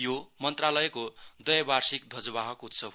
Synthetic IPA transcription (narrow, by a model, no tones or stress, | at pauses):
jomʌnt̪ralʌjekod̪ʌjʌbarsikd̪ʱʌd͡zʌbaɦʌkut̪sʰʌ